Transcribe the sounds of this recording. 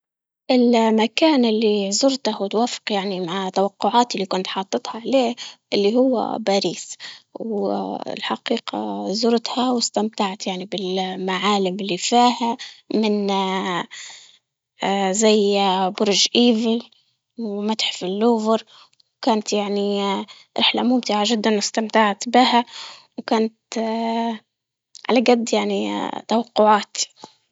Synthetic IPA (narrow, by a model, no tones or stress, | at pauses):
ʔɪlmakaːnɪlːiʕzʊɾt̪ahwɪt̪waːfɪ̥qjaʕnimaʕt̪awɑqːʊʕaːt̪ɪlːikʊnt̪ħɑːt̪ˤːɨt̪ˤhaʕaleːʔɪlːihʊwːa̰baːɾiːsw̰lħaqiːqa̰zʊɾt̪hawɪst̪amt̪aʕt̪jaʕnibɪlmaʕaːlɪmɪlːifiːhamɪn | zajbʊɾʒʔiːvɪl | wmat̪ħfilːuːvɪɾˤ | wkaːnt̪jaʕni | ɾˤʔɪħlamʊmt̪ɪʕaʒɪd̪ːanwɪst̪amt̪aʕt̪bɪhawkaːnt̪ | ʕa̰laɡad̪ːjaʕnit̪awɑqːʊʕaːt̪